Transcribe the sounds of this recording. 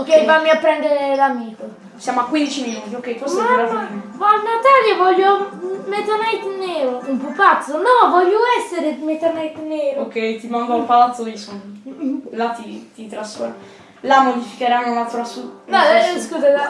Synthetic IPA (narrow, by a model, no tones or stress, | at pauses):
okːɛjvamiapɾɛ̃nd̪eɾelamiko | sjamoakwind̪it͡ʃiminut̪iokːɛjt̪uasaavalnot̪alevɔʎːomet̪onajt̪neɾoumpupat̪sonɔ̃vɔʎːoɛseɾemet̪anajt̪neɾokɛjt̪imãŋd̪aupalt̪oison | lat̪it̪it̪ɾasfɔɾma | lamod̪ifikeɾanonat̪uɾasunɔskuzaa